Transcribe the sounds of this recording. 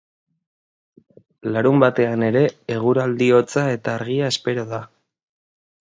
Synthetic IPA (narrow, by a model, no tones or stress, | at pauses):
laɾumbat̪e̞ane̞ɾe̞ːɣ̞uɾald̪io̞t͡sae̞t̪aːɾɣiae̞spe̞ɾo̞ða